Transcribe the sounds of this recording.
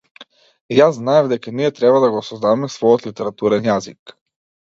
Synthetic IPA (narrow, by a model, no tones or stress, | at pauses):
jazːnaɛvd̪ɛkaniɛt̪ɾɛbad̪aɡoːsɔzd̪avamɛsvɔjot̪lit̪ɛɾat̪uɾɛnjazik